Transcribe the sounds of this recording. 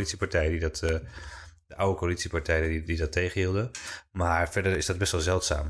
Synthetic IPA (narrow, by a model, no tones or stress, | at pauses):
litsipaɹtɛjədidɑt | dəʔawəkoalitsipaɹtɛjədidɑtejχənɦiːlˠdəmaːɹfɛɹdəɹɪsdɑd̚bɛstʋɛlˠzɛlˠtsa̰ːm